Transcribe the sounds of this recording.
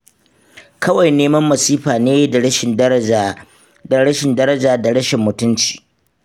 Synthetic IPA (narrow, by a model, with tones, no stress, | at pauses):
kʰɐ˦wa˨jneː˦mɐ˦mːɐ˨siː˦ɸaː˨neː˦da˨ɽɐ˦ɪ˨˦˨ | da˨ɽɐ˦ʃɪ˨ndɐ˦ɾɐ˦d͡ʒaː˨da˨ɽɐ˦ʃɪ˨mːʊ˨tʊ˦nt͡ʃi̥ː˨